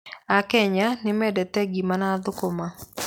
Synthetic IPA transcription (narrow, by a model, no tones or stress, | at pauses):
akɛɲanɪmɛdɛtɛɡimanad̪ʊkoma